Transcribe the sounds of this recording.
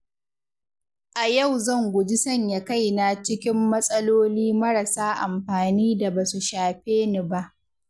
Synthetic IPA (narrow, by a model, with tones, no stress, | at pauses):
ʔa˨ja˦˨wzɐ˦˨ŋɡʷʊ˨d͡ʒi˦sɐ˦˨ɲja˨ka˦˨jna˨t͡ʃɪ˦kʲɪ˦mːɐ˦sʼɐ˦loː˦liː˦mɐ˦ɾa˨saː˦ʔa̰˨mɸaː˨niː˦da˨ba˨su˨ʃaː˨ɸeː˦ni˦˨ba˦˨ʔ